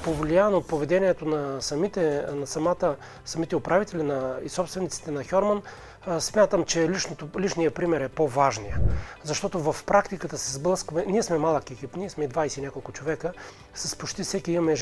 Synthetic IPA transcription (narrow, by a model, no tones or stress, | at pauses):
povlʲijanoot̪̚povɛd̪ɛniɛt̪onɐsɐmit̪ɛnɐsɐmat̪ə | sɐmit̪ɛopɾavit̪ɛlʲinɐisɔpst̪vɛnit̪si̥t̪ɛnɐxʲɔɾmɐn | smʲjat̪əmt͡ʃɛlit͡ʃnot̪olit͡ʃnijəpɾimɛɾɛpovaʒnijəzɐʃt̪ɔt̪ovɐfpɾakt̪ikət̪əsɛzblˠəskmɛniɛsmɛmalˠəkɛkipniɛsmɛid̪vajsɛinʲjakolˠkʊt͡ʃovɛkə | sɐspot͡ʃt̪ifsɛkiimɐmɛʒ